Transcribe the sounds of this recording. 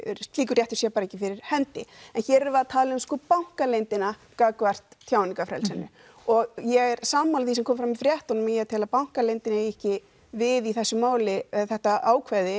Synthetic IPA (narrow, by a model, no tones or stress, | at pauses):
st̪liːkʏɾjɛht̪ʏsjɛpaɾɛcːɪfɪɾɪɾ̥hɛnt̪ɪɛnçɛːɾɛɾvaðt̪ʰaːlɪʏmskɔːpawŋ̥kalejnt̪ɪnakakvɛr̥t̪θʰjaːwniŋkafɾɛ̰lsɛnːʏ̰ | ɔɣjɛɣɛɾ̥saːmːawlθisɛmkʰɔːmfɾamifɾjɛht̪ɔnmijt̪ʰɪːlapawŋ̥kalejnt̪ɪnaɛjɛhcɪ | vɪðiθɛsːʏmːaːwlɪɛðθɛht̪aaːwkʰvɛɾðɪ